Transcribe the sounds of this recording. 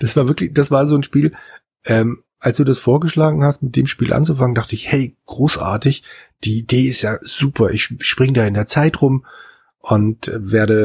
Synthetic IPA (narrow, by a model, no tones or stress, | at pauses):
d̥asv̥aːɐvɪɐklɪçd̥asv̥aːɐzoːnʃpiːl | ʔɛːm | ʔalsd̥uːdasfoːɐɡəʃlaːɡŋ̩hastmɪt̚d̥eːmʃpiːlʔa̰nt͡sufaŋəndaχtəɪçhɛɪɡ̥ʁoːsʔa̰ːɐtɪçd̥iːideːɪstjaːz̥uːpʰɐʔɪçʃpʁ̥ɪŋədaːɪndeːɐt͡saɪtʁʊm | ʔʊntːveːɐɾə